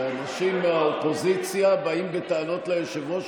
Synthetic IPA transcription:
anaʃimːeaopo̞zit͡sjabaimbet̪aːno̞tlejeʃevo̞

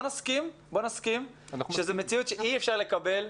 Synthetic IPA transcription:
naskim | bonaskim | ʃezemet͡sijut̪ʃeʔiefʃaʁle̞kabe̞l

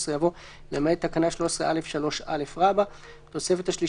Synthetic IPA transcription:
sʁejavo̞ | lemejat̪akanaʃlo̞ʃesʁeʔale̞fʃalo̞ʃale̞fʁaba | t̪o̞se̞fet̪haʃli

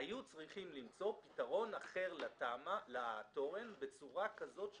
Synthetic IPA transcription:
ajut͡sʁiχimlimt͡so̞pi̥taʁo̞naχe̞ʁlatamalato̞ʁe̞nbe̞t͡suʁakazo̞tʃ

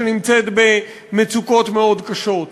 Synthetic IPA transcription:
enimt͡set̪be̞ | met͡suko̞t̪meo̞d̪kaʃo̞t̪

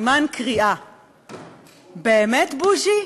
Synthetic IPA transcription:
mankʰʁiʔa | bemɛt̪buʒi

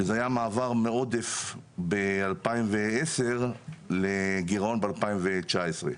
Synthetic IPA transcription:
ezeajamaːvaʁmeod̪efbealpaimveeseʁleɡiʁonbealpaimvet͡ʃaesʁe

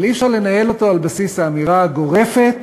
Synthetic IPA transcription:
lifʃaʁle̞naje̞lo̞to̞albasishaːmiʁaɡo̞ʁe̞fe̞t̪

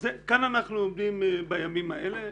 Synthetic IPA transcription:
zekananaχnuomd̪imbajamimaele̞

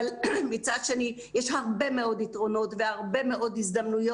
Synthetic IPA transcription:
lmit͡sad̪ʃe̞ni | jɛʃhaʁbe̞meo̞ditʁo̞no̞tvehaʁbe̞meʔo̞dizd̪amnujo

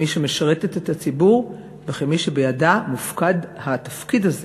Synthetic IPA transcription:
iʃemeʃaʁet̪etethat͡sibuʁ | veχemiʃebejadamufkadhat̪afkidaze

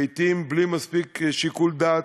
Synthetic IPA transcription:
jt̪imblimaspikʃikuld̪at

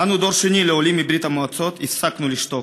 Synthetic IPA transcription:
anud̪ɔɾʃunilɛɔlimibɾit̪amɔat̪sɔt̪isaknuliʃt̪ɔ

